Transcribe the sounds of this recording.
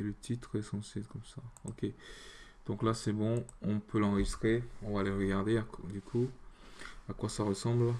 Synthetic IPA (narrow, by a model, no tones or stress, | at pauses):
elət̪ʰit̪χesɑ̃sekɔmsaokʲe | d̪̥ɔ̃klasɛbɔ̃ɔ̃pʰølɑ̃ʁəʒist̪χeɔ̃valeʁəɡaʁd̪ead̪ykʰu | akwasaʁəsɑ̃bl